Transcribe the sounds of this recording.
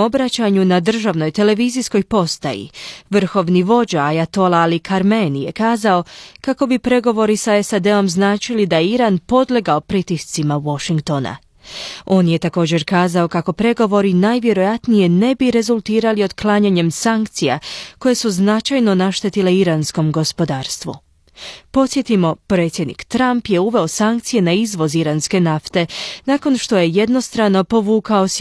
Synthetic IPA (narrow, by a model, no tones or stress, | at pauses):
obɾat͡ɕaɲunad̪r̩ʒaʋno̞jt̪e̞le̞ʋizisko̞jpo̞st̪a̰jḭʋr̩xo̞ʋniʋo̞d͡ʑaajat̪o̞laːlikʰaɾmenije̞kaːzao̞kako̞bipɾe̞ɡo̞ʋo̞ɾisaesad̪e̞o̞mznaːt͡ʃilid̪ajeiɾanpo̞d̪leɡaopɾit̪ist̪simawo̞ʃiŋkt̪o̞na̰ | o̞ːnje̞t̪ako̞ːd͡ʑe̞ɾkaːzao̞kako̞pɾe̞ɡo̞ʋo̞ɾinaːjʋje̞ɾo̞jat̪nije̞ne̞biɾe̞zulˠt̪iːɾalio̞d̪klaːɲaɲe̞msaŋkt̪sija̰ko̞je̞suznat͡ʃajno̞naʃt̪et̪ile̞iɾansko̞mɡo̞spo̞d̪aːɾst̪ʋṵ | po̞t̪sʲje̞t̪imo̞pɾe̞t̪sʲje̞d̪nḭkt̪ɾampje̞uʋe̞o̞saŋkt̪sije̞naizʋo̞ziɾanske̞naft̪e̞naːko̞nʃt̪o̞je̞je̞d̪no̞st̪ɾano̞po̞ʋuːkao̞s